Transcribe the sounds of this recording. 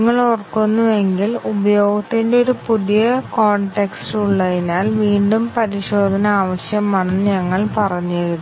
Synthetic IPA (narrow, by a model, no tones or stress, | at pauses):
ŋːɐɭorɐkːunːue̞ŋɡilubɐjo̞ːɡɐt̪ːindeoɾupuðijɐkoːɳʈeksʈuɭːɐðinaːlʋiːɳɖumpɐɾiɕo̞ːd̪ʱɐnɐaːʋɐɕjɐmaːnːɨɲɐŋːɐɭpɐrɐɲːeɻuð